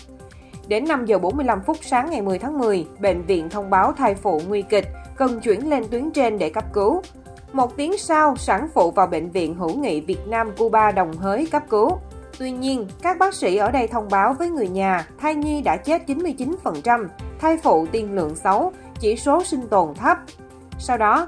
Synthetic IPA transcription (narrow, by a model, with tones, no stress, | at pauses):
ɗe˨˦nːa˧mzəː˨˩ɓo˨˦nmɨ˧jla˧mfʊ˦˥t̚saː˨˦ŋːa˨˩jmɨ˨˩əjt̪ʰaː˨˦ŋmɨ˨˩əjɓḛ˧˨n̟vḭ˧˨ənt̪ʰə˧wŋ͡mɓaː˨˦wt̪ʰaː˧jfṵ˧˨ŋwi˧kï˨˩k̟̚kə˨˩nt͡ɕwḭ˧˩ənle˧nt̪wi˨˦əŋt͡ɕe˧nɗe˧˩kə˦˥p̚kɨ˨˦w | mo˨˩t̚t̪i˨˦əŋsaː˧wsaː˧˥ŋfṵ˧˨vaː˨˩wɓḛ˧˨ŋ̟vḭ˧˨ənɦɨ̰˧˩ŋḭ˧˨vi˨˩ət̚naː˧mku˧ɓaː˧ɗə˨˩wŋ͡mɦəː˨˦jkə˦˥p̚kɨ˨˦wt̪wi˧ɲi˧ənkaː˦˥k̚ɓaː˦˥k̚sḭ˧˥ʔəː˧˩ɗə˧jt̪ʰə˧wŋ͡mɓaː˨˦wvəː˨˦jŋɨ˨˩əjɲaː˨˩t̪ʰaː˧jɲi˧ɗa̰ː˧˥t͡ɕe˦˥t̚t͡ɕi˨˦nmɨ˧əjt͡ɕi˨˦nfə˨˩nt͡ɕa˧mt̪ʰaː˧jfṵ˧˨t̪i˨˧˩ənlɨ̰˧˨əŋsa˨˦w | t͡ɕi˧˩so˨˦sï˧ŋ̟t̪o˨˩nt̪ʰə˦˥p̚ | sa˧wɗɔ˨˦